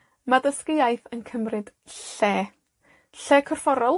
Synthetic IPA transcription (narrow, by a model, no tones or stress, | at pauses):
madəskɪajθənkʰəmrɨd̥ | ɬeː | ɬɛːkʰɔr̥fɔɾɔlˠ